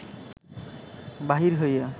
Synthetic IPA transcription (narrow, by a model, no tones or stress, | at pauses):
baɦiɹɦoja